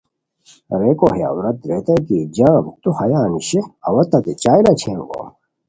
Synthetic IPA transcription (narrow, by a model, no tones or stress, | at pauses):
ɾekoheja̰uɾɐt̪̚ɾet̪ɐkid͡ʑaːbut̪uhɐjaːniɕeɐwɐt̪ɐt̪et͡ɕaːjlɐt͡ɕʰeːmɡo̰